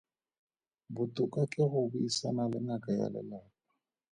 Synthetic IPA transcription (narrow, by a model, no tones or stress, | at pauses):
bʊtʼʊkʼakʼɪɣʊbʊisanalɪ̰ŋakʼaja̰lɛ̰lɛːkɔ